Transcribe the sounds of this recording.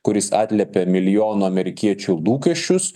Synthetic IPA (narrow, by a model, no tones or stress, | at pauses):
kʊɾʲɪsɑ̰ːt̪ʲlʲɛpʲɛmʲɪlʲɪjoːnoɐmʲɛɾʲɪkʲiɛt͡ʃʲuːlˠuːkʲɛʃʲt͡ʃʲʊs